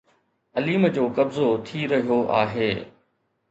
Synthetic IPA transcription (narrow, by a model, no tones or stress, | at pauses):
ɐliːməd͡ʑoːkɐbzot̪ʰiɾɐɦijoʔa̰ːɦeː